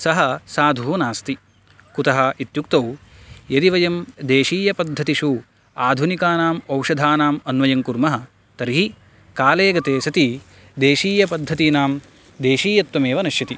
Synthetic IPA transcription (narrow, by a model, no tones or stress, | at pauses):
sɐɦɐsaːd̪ʱuːnaːst̪i | kut̪ɐɦɐit̪jukt̪ɐwjɐd̪iʋɐjɐmd̪eːʃiːjɐpɐd̪ʱːɐt̪iʂu | aːd̪ʱunikaːnaːmɐwʂɐd̪ʱaːnaːmɐnʋɐjɐŋkuɾmɐɦɐ̆ | t̪ɐɾɦi | kaːleːɡɐt̪eːsɐt̪i | d̪eːʃiːjɐpɐd̪ʱːɐt̪inaːm | d̪eːʃiːjɐt̪ʋɐmeːʋɐnɐʃjɐt̪i